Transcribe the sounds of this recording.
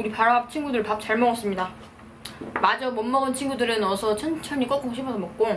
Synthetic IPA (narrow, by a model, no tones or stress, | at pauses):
uɾipaɾʌɦap̚t͡ɕʰinɡudɯɭpap̚t͡ɕ͈aɭmʌŋʌs͈ɯmɲida | mad͡ʑʌmʌmːʌɡʌnt͡ɕʰinɡudɯɾɯnʌsʰʌt͡ɕʰʌnt͡ɕʰʌɲik͈ʌk͈oŋɕʰibʌdomʌk̚k͈o